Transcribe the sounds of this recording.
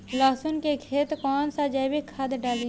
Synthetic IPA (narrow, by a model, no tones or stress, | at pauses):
lɔːsʊnkekʰeːt̪kɔːnsad͡ʒəbikʰɐd̪ɖaːli